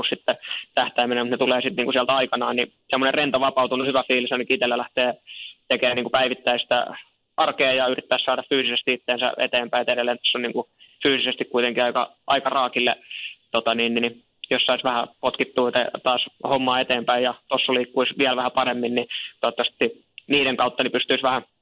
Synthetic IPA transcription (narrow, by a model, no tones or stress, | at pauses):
ussit̪ːɛt̪æht̪æiminemut̪net̪uleːsit̪niːŋkusiælt̪ɑikɑnɑːnni | semːonerrent̪ɑʋɑpɑut̪unuhyʋæfiːlisɑnikit̪elːælæht̪eːt̪ekeːnniŋkupæiʋit̪ːæisi̥t̪æ̰ | ʔɑrkeːjɑyrit̪ːæːssɑːdɑffyːsisest̪iit̪ːeːnsæ̰ḛt̪eːmpæiɑt̪eɾelːˑeːnt̪osːonniːŋkufyːsisest̪ikkuit̪eŋkiɑikɑ̰ | ʔɑikɑrɑːkilːet̪ot̪ɑniːnːni | jossɑisʋæhæpot̪kit̪ːuːt̪et̪ɑːshomːɑːet̪eːmpæijjɑt̪osːoliːkːuisʋiælʋæhæpɑremːinnit̪ot̪ːɑst̪ːi | niːɾeŋkɑut̪ːɑnipyst̪yisʋæhæ